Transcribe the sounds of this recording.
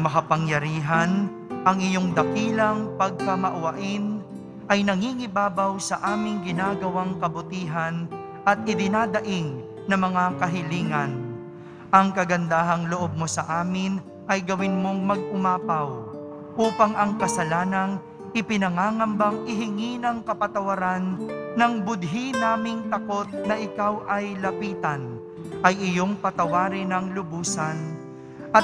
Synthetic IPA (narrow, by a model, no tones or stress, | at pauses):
mɐkɐpɐŋjɐɾiːɦɐn | ʔɐŋʔɪjo̞ŋd̪ɐkiːlɐŋpɐɡ̚kɐmɐʔɐwɐʔɪn | ʔɐjnɐŋiŋɪbaːbɐwsɐʔaːmɪŋɡɪnaːɡɐwaŋkɐbʊt̪iːɦɐn | ʔɐt̪̚ʔɪd̪ɪnaːd̪ɐʔɪŋ | nɐŋmɐŋakɐɦɪliːŋɐn | ʔɐŋkɐɡɐnd̪aːɦɐŋloʔo̞b̚mo̞sɐʔaːmɪn | ʔɐjɡɐwɪnmo̞ŋmɐɡ̚ʔʊmaːpɐw | ʔuːpɐŋʔɐŋkɐsɐlaːnɐŋ | ʔɪpɪnɐŋaːŋɐmbɐŋʔɪɦɪŋinɐŋkɐpɐt̪ɐwɐɾanːɐŋbʊd̪̚ɦinaːmɪŋt̪ɐko̞t̪̚nɐʔɪkawʔɐjlɐpiːt̪ɐn | ʔɐjɪjo̞ŋpɐt̪ɐwaːɾɪnɐŋlʊbuːsɐn | ʔɐt̪̚